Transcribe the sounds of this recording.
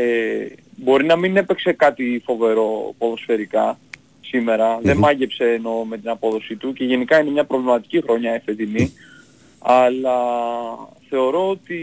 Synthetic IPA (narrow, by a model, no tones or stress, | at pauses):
e | bo̞ɾinɐmine̞pe̞kse̞kɐt̪ifo̞ve̞ɾo̞po̞ðo̞sfe̞ɾikɐ | sime̞ɾɐðe̞mmɐʝepse̞ːno̞me̞t̪inɐpo̞ðo̞sit̪uce̞ʝe̞nikɐine̞mɲɐpɾo̞vlimɐt̪i̥cixɾo̞ɲɐifet̪ini | ɐlɐ | θe̞o̞ɾo̞ot̪i